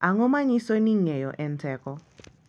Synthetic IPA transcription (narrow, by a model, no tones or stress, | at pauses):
aŋɔmaɲisoniŋɛjɔ̰ʔɛntɛkɔ